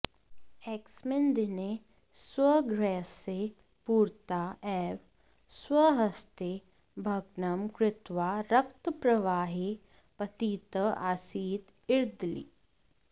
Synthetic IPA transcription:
eksmɪnd̪ine | swəɡɾɛːse | puːɾt̪aːʔɛːʋ | swəɦɐst̪e | bʱɐɡnɐmkɾɪt̪ʋaːɾɐkt̪əpɾɐʋaːɦi | pɐt̪iːt̪əʔaːsiːd̪ | ɪɾd̪lḭː

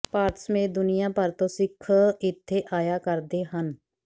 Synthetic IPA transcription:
paːɾt̪smẽːd̪ʊnɪjãːpəɾt̪õːsɪkʰːɪt̪ʰːeːʔaːjaːkəɾd̪eːɦən

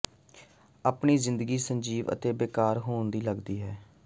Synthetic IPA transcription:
aːpɳiːzɪ̃nd̪əɡiːsəɲd͡ʒiːʋə̰t̪eːbeːkaːɾɦoːnd̪iːləɡd̪iːɦɛː

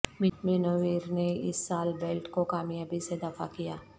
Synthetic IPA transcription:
mɪʈmeːnoːʋiːɾneɪ̰sːaːlbeːlʈkokaːmjaːbised̪afakijaː

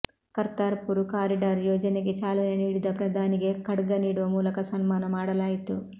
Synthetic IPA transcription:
kɐɾt̪aːɾpuɾukaːɾiɖaːɾjɔːd͡ʒɐniɡit͡ʃaːlɐneniːɽid̪ɐpɾɐd̪ʱaːniɡekɐɽɡɐniːɽuʋɐmuːlɐkɐsɐnmaːnɐmaːɽɐlaːjit̪u

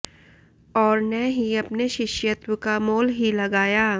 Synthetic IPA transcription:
ɔːɾnɛɦiɐpneʃɪʃjət̪wəkamoːlɦilɐɡaːjaː

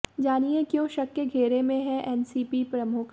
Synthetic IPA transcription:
d͡ʒaːniekjõːʃɐkːeɡʱeːɾemẽɦɛ̃ʔɛːnsiːpipɾɐmʊkʰ

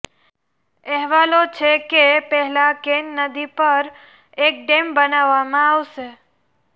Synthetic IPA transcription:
ɛɦʋalot͡ʃʰekepɛɦɛlakenːəd̪ipəɾ | ek̚ɖembənaʋːamãaʋʃe

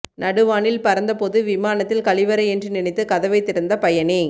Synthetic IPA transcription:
nʔɐɽɯʋaːɳɪlpɐɾɐnd̪ɐpɔðɯʋɪmaːnɐt̪ːɪlkɐɭɪʋɐɾɐɛndrɯnɪnɛɪt̪ːɯkɐðɐʋɐɪt̪ːɪɾɯnd̪ɐpɐjɐnɪ

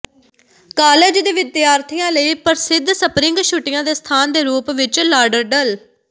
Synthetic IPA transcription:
kaːleːd͡ʒd̪eːʋɪd̪jaːɾt̪ʰijãːləiːpəɾsɪd̪ʱsəpɾɪ̃ŋɡʃʊʈɪjãːd̪eːst̪ʰaːnd̪eːɾuːpʋɪt͡ʃlaːɖəɾɖəl

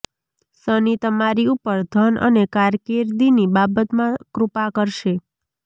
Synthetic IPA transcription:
sənit̪əmaɾiupəɾd̪ʱənʔə̰nekaɾkeɾd̪inibabət̪mãkɾupakəɾʃe

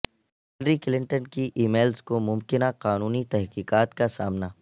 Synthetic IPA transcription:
ɦɛnɾikɪlɪ̃ɳʈənkiʔiːmeːlzkomʊmkɪnaqaːnuːnit̪ɛɦqiːqaːt̪kasaːmna

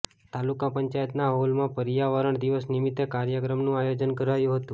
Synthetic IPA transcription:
t̪alukapəɲt͡ʃajət̪naɦolmãpəɾjaʋəɾəɳd̪iʋəsnimit̪ːekaɾjəkɾəmnũajod͡ʒənkəɾajũɦət̪ũ

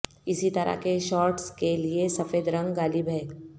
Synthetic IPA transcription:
ɪsit̪ɐɾa̰keʃɔːɾʈskeliesɐfeːd̪ɾɐ̃ŋɡɡaːlibʱɛː

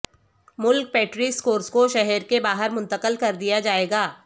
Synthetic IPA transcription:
mʊlk̚pɛːʈɾikskoːɾskoʃɛɦɛɾkebaːɦəɾmʊ̃nt̪əqəlkɐɾd̪ijad͡ʒaːeːɡaː

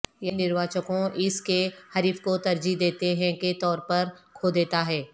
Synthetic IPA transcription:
jenɪɾʋaːt͡ʃəkõʔɪskehɐɾiːfkot̪ɐɾd͡ʒid̪eːt̪eɦɛ̃ket̪ɔːɾpɐɾkʰoːd̪eːt̪aɦɛː

